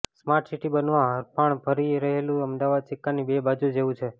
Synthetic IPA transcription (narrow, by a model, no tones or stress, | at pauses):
smaɾʈsiʈibənʋãɦəɾpʰaɳpʰəɾiɾəɦelũəmd̪aʋad̪̚t͡ʃikːanibebad͡ʒud͡ʒeʋũt͡ʃʰe